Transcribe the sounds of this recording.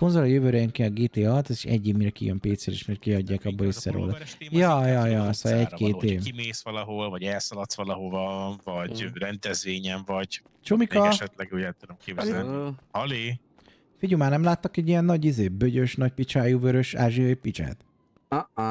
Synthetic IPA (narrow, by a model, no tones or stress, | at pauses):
skonzolɒjøvøːɾɛjɛŋkeːɒɡeːt̪eːɒɒt̪ɛzi̥ʃɛ̰ɟːeːmiɾkijømpeːt̪sɛɾḭʃmɛrkiɒɟːaːkɒbːoissːɛ̰ɾo̰ːlɒjɒjɒjɒsɒ̰ɛckeːt̪eːkimeːsʋɒlɒɦolvɒɟɛlsɒlɒt̪sʋɒlɒɦovɒvɒɟrɛnd̪ɛzveːɲɛɱvɒɟ | t͡ʃomikɒʃɛt̪lɛɡuɟɛlt̪ud̪omkeːbzhɒli | fiɟumaːrnɛmlaːt̪ːɒkɛɟːijɛnːɒɟizeːbøɟøʃnɒc̚pit͡ʃaːjuvøɾøʃa̰ːʒiopit͡ʃa̰ːt̪